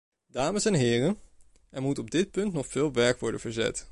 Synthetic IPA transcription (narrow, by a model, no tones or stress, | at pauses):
daːməsɛnɦɪːrən | ɛɹmutɔb̚dɪt̚pɵntnɔχfɪːlˠʋɛɹkʋɔɹdənvəɹzɛ̰t